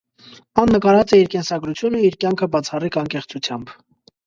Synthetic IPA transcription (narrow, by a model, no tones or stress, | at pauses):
ɑnːəkɑɾɑt͡sɛiɾkɛnsɑɡɾut͡sʰjunəiɾkjɑŋkʰəbɑt͡sʰɑrikɑŋkɛχt͡sʰut͡sʰjɑmb